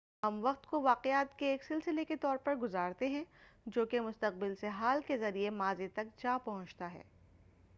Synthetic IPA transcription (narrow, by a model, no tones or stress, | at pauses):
ɦɐmʋɐqt̪koʋaːqɪjaːt̪keːksɪlsɪleket̪ɔːɾpɐɾɡʊzaːɾt̪eɦɛ̃d͡ʒoːkemʊst̪ɐq̚bɪlseɦaːlkezɐɾiemaːzit̪ɐk̚t͡ʃaːpɐɦʊ̃t͡ʃt̪aɦɛ̰ː